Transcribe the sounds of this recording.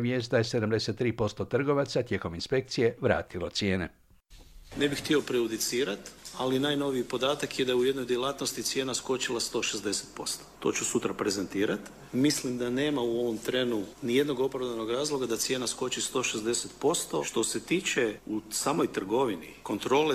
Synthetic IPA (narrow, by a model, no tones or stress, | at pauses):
mjest̪d̪ajese̞d̪amd̪e̞set̪ːɾiːpo̞st̪o̞t̪r̩ɡo̞ʋat̪sat̪je̞ːko̞minspe̞k̚t̪sije̞ʋɾa̰ːt̪ilo̞t̪sje̞ːne | ne̞bixt̪iopɾejud̪it̪siːɾat̪alinaːjno̞ʋiipo̞d̪aːt̪akjed̪ajeuje̞d̪nojd̪jelˠat̪no̞st̪it̪sje̞ːnasko̞t͡ʃilˠast̪o̞ːʃezd̪e̞set̪po̞st̪ot̪o̞̰t͡ʃusut̪ɾapɾezent̪iːɾat̪ | mislimd̪ane̞ːmauo̞ʋo̞mt̪ɾe̞nunije̞d̪no̞ɡo̞pɾavd̪ano̞ɡɾaːzlˠo̞ɡad̪at̪sje̞ːnasko̞t͡ʃist̪o̞ʃezd̪eset̪po̞st̪o̞̰ʃt̪o̞se̞t̪iːt͡ʃe̞usaːmo̞jt̪r̩ɡo̞ʋinḭko̞nt̪ɾo̞ːle